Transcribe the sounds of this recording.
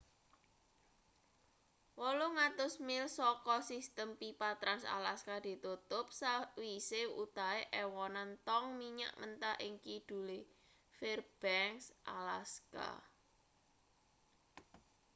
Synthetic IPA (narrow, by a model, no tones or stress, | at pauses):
wɔloŋat̪ʊsmɪlsɔkɔsist̪əmpipat̪ɾansa̰laskad̪̥i̤t̪ut̪ʊp̚sawiseut̪aeʔɛwɔnant̪ɔŋmiɲa̰ʔmənt̪aʔiŋkid̪̥ṳle | ferb̥ɛŋsʔa̰laska̰